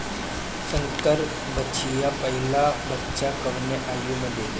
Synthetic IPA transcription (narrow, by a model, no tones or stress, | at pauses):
səŋkəɾ | bəijapəɦilabətːʃakəʋneʔajuməd̪ʱːje